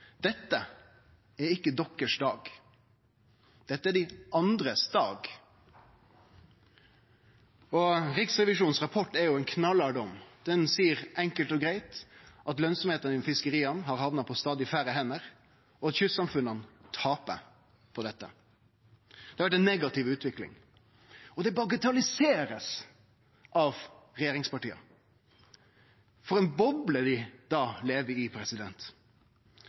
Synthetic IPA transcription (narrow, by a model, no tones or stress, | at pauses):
d̪̥ɛt̪ːə | æɾɪkːəd̪ɔkːəʂd̪ɑːɡ | d̪̥ɛt̪ːəæɖɪʔɑnd̪ɾəsd̪ɑːɡ | ɔɾɪksʁɛʋɪʃuːnn̩sʁɑpʰɔʈːɛɾjʊæɪnkʰnɑlɑɖɔmd̪̥ɛnsiːəʁʔɛŋkəlt̪ɔɡɾæɪt̪ʔɑt̪lœnsɔmheːt̪ənɪnmfɪskəɾiːɑnɦɑɾhɑʋnɑpʰɔst̪ɑːd̪ɪfæɾəhɛnːəʁ | ɔɑt̪çʉsɑmfʉnənt̪ʰɑːpə̰ | pʰɔd̪ɛt̪ːə̰ | d̪̥ɛhɑɾʋæʈ̬ːɛnːɛɡɑt̪ɪʋʉːt̪ʋɪklɪ̰ŋ | ɔd̪ɛbɑɡət̪ʰɑlɪseːɾəs | ʔɑʋ | ɾɛjeːɾɪŋspɑʈiːɑ̰ | fɔɾɛnbɔbləd̪ɪd̪ɑːleːʋəɪpʰɾɛsɪd̪ɛnt̪